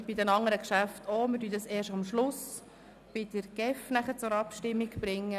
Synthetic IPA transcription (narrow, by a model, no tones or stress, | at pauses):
b̥ɪdɛnɑŋəɾəkʃæftʰoːmɪdyːdɑseːɾʃɑmʃlʊs | b̥ɪd̥̪əɾɡ̥ɛfnæχəɾt͡sʊɾɑpʃtɪmːiɡb̥ɾɪŋːə